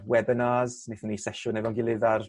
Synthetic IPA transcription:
wɛbənaːzneθnisɛʃʊnɛvɔnɡɪlˠɪðar

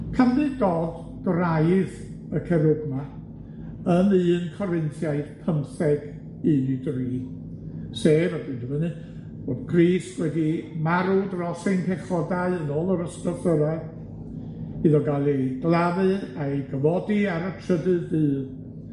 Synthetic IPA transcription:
kʰamðɨɡɔð | ɡ̥rajð | əkʰɛɾʊɡma | ənɨːnkʰɔɾɪnθjaɨd̥pʰəmθɛɡ | idriː | seːvadɨndəmənɨ | b̥oːdkʰriːswɛdimaɾudrɔsejnpʰɛχɔdaɨənoːlˠəɾəstɔθəɾɛ | ɨðɔɡalˠiɡlˠavɨaɡəvɔdiaɾətʰrədɨðbɨːð

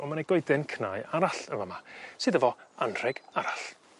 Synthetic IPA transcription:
ɔmaneɡɔɨdɛnkʰnaːjaɾaɬənvamasɨdəvɔanr̥ɛɡ̥aɾaɬ

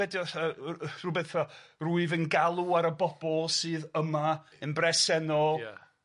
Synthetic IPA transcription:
ɛdiɔaruːbɛθɔruɨvənɡalˠuaɾəbɔb̥ɔlˠsɨːðəma | ənbrɛsɛnɔlˠ

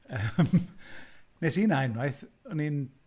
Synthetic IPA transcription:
əːm | nesiːnaɛnwajθɔnin

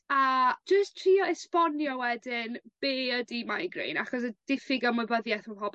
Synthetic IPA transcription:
ad͡ʒəstʰriːɔɛspɔnjɔwɛdɪnb̥eːədimajɡrḛːna̰χɔs̬əd̥ɪfɪɡamʊbəðjaθmaɦɔb

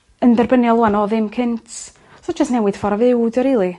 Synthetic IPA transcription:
əndɛrbənjɔlˠuanɔːðɪmkʰɪntʰ | sɔd͡ʒəstnɛwɪð̥fɔɾvɪwdɾiːlˠi

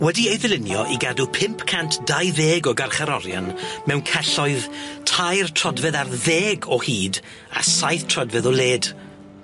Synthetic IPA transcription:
wɛdiejðɪlˠɪnjɔʔiɡadupʰɪmpʰkʰantʰd̥ajðeːɡɔɡarχaɾɔɾja̰nmɛwnkʰɛɬɔɨðtʰajrtʰrɔdvɛðarðeːɡɔhiːd | a̰sajθtʰrɔdvɛðɔlˠeːd̥

